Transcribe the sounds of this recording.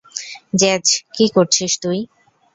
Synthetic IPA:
d͡ʑɛd͡ʑkikoɾt͡ɕʰiʃt̪uj

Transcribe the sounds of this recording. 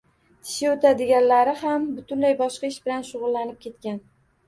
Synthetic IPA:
t̪ʰɪ̥ʃɪot̪ʰad̪ɪɡʲanlaɾɪhambʊt̪ʰʊnlajbɒʃqɑɪʃbɪlanʃʊʁʊlˠːanɪp̚kʲʰe̞t̪̚kʲan

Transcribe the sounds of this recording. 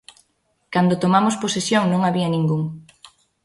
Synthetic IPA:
kand̪ot̪omamosposesjoŋnõŋaβiɐnĩŋɡuŋ

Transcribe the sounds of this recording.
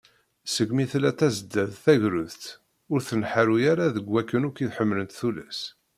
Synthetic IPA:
səɡmiθlæt̪ːæzəd̪ːæðθæʝɾʊðt̪ | ʊɾθənħaɾujaɾaðəɡʷːækːənʊkiθħəmːlənt̪θulæs

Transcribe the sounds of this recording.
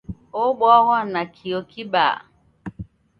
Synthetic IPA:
oɡ͡bɔɣɔnakʰiokʰiɓa̰

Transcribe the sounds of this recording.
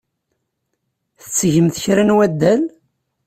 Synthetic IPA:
θət͡sːʝəmθçɾænwæd̪ːæl

